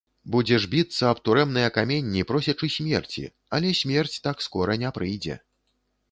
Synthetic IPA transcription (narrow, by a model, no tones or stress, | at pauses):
bud͡zʲɛʐbʲit̪sːɐɐpt̪uɾɛmnɐjɐkamʲenʲːipɾɔsʲɐt͡ʂɨsʲmʲɛrt͡sʲḭ | alʲɛsʲmʲɛrt͡sʲt̪akskɔɾɐnʲɛpɾɨjd͡zʲɛ̰